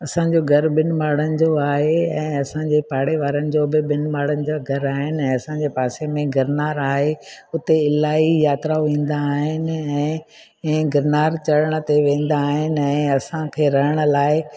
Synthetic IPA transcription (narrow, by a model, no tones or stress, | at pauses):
ɐsãɲd͡ʑoɡʱɐɾɓɪnmaːɽənɪ̆d͡ʑoaːɦeɛ̃ːɐsãɲd͡ʑepaːɽeʋaːɾənɪ̆d͡ʑoːbɪɓɪnmaːɽənɪ̆d͡ʑaːɡʱɐɾaːɦɪnɪ̆ɛ̃ːɐsãɲd͡ʑepaːsemẽɡɐɾnaːɾaːɦeʊt̪eɪlaːijaːt̪ɾaʋĩːn̆d̪aːɦɪnɪ̆ɛ̃ː | ɡɐɾnaːɾt͡ɕɐɽəɽ̃̆t̪eʋẽːn̆d̪aːɦɪnɪ̆ɛ̃ːɐsãkʰeːɾɐɦɪɽ̃ʊ̆laːɪ